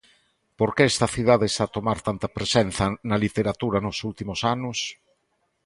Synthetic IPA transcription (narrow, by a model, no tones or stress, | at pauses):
poɾkeɛst̪ɐθið̞aðest̪aːt̪omaɾt̪ant̪ɐpɾesenθɐnɐlit̪eɾat̪uɾɐnʊsult̪imʊsanʊs